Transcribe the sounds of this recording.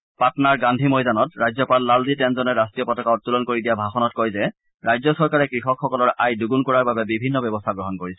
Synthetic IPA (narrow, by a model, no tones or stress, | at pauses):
patnaɹɡandʱimɔjdanɔtɹajzɔpalːalditɛnzɔnɛɹastɹijɔpɔtɔkaɔt̚tːulɔnkoɹidijabʱaxɔnɔt̚kɔjzɛ | ɹajzɔsɔɹkaɹɛkɹixɔkxɔkɔlɔɹʔajduɡunkɔɹaɹbabɛbibʱinːɔbɛbɔstʰaɡɹɔɦɔnkoɹisɛ